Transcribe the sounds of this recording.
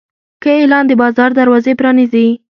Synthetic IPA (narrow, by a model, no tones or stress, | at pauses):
kəelɑnd̪əbɑzɑɾd̪aɾwɑzepɾɑnizi